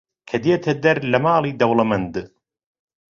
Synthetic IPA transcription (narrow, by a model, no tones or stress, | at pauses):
kʰɐd̪eːt̪ʰɐd̪ɐɾlɐmaːlˠiːd̪ɐwlɐmɐnd̪